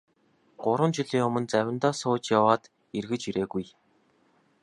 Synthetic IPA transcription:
ɢ̥ʊɾwə̆nt͡ɕiɮiːŋɵmɵ̆nt͡sæwʲɪ̆nt̪ɔːsʊːt͡ɕjawaːt̪ | irɣɘ̆t͡ɕiɾeːɣuj

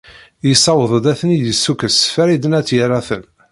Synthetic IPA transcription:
jəsːɑwəðˤəd̪æθənijəsːukəsfæɾid̪ənæt͡sːjəɾaθən

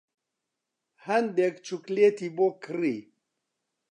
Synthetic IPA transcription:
handekt͡ʃuklet̪ibokɨɾi

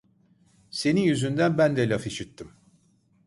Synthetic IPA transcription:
se̞nijyzynd̪ænbænd̪ɛlʲafiʃit̪ʰːim

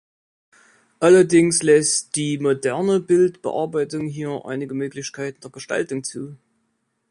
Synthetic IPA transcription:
ʔalɐdɪŋslɛstd̥iːmodɛɐnəbɪltb̥ə̰ʔa̰ɐbaɪtʊŋɦiːɐʔa̰ɪnɪɡəmøːklɪçkʰaɪtn̩d̥eːɐɡ̥əʃta̰ltʊŋt͡suː

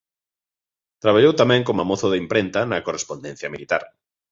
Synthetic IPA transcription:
t̪ɾaβ̞aʎowt̪amẽŋkomamoθoðeimpɾent̪anakorespond̪en̟θjamilit̪aɾ

